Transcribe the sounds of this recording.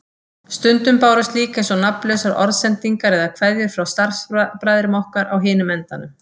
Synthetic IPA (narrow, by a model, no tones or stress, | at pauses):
st̪ʏnt̪ʏmpaːwɾʏst̪liːkɛsɔnaplœwsaɾʔɔ̰ɾðsɛnt̪iŋkaɾɛðakʰvaðjʏɾ̥fɾawst̪ar̥spɾajðɪɾmawhkaɾʔa̰wɦɪːnʏmɛnt̪anʏ